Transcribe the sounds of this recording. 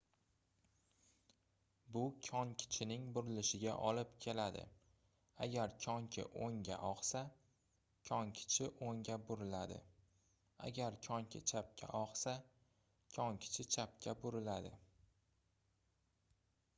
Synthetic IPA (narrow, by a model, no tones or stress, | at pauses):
bʊkʲʰɒŋkʲʰɪ̥t͡ʃʰɪnɪŋbʊɾɪlɪʃɪɡʲa̰ʔɒlɪpkʲʰe̞lad̪ɪ̰ | aɡʲaɾkʲʰɒŋkʲʰɪ̰ʔoŋɡʲa̰ʔɒqsa | kʲʰɒŋkʲʰɪ̥t͡ʃʰɪʔoŋɡʲabʊɾɪlad̪ɪ̰ | a̰ɡʲaɾkʲʰɒŋkʲʰɪt͡ʃʰap̚kʲʰa̰ʔɒqsa | kʲʰɒŋkʲʰɪ̥t͡ʃʰɪt͡ʃʰap̚kʲʰabʊɾɪlad̪ɪ̰